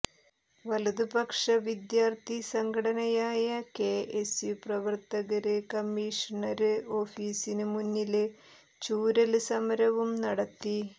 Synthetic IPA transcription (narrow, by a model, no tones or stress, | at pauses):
ʋɐlud̪ubɐkʂɐʋid̪jaːrt̪ʰisɐŋkʰɐɽɐnɐjaːjɐke̞esjuprɐʋɐrt̪ɐɣɐɾɨkɐmːiːʂɐɳɐɾɨo̞ːfiːsinɨmunːil | t͡ɕuːɾɐlɨsɐmɐɾɐʋumnɐɽɐt̪ːi